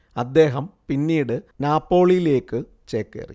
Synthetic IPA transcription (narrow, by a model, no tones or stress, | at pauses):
ɐd̪ːe̞ːɦɐmpinːiːɽɨnaːpːo̞ːɭijile̞ːkːɨ | t͡ɕeːkːḛːrḭ